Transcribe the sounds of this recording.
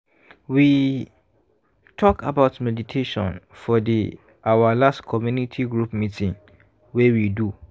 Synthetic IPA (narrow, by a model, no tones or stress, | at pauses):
wi | tʰɔkʰa̰baʊtmɛditʰeʃɔ̰̃nfɔdi | awalastkʰɔmjunitʰiɡɹupmitʰĩŋ | wewidu